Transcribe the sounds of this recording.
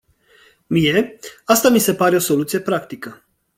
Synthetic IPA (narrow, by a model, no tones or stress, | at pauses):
mije̞ast̪amise̞paɾe̞o̞so̞lut̪sije̞pɾakt̪ikə